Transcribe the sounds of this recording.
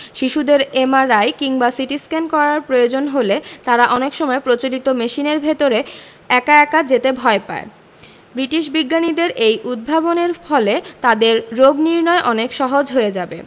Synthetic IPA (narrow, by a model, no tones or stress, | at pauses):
ʃiʃud̪eɾemaɾajkiŋbasiʈiskɛnkɔɾaɾpɾojod͡ʑonɦolet̪aɾaʔɔnekʃɔmɔepɾot͡ɕolit̪omeʃineɾbʱet̪oɾe | ɛkaɛkad͡ʑet̪ebʱɔepa̰e | bɾiʈiʃbiɡːanid̪eɾʔejʔud̪̚bʱaboneɾfʰɔlet̪ad̪eɾːoɡniɾnɔeʔɔnekʃɔɦod͡ʑɦoed͡ʑabe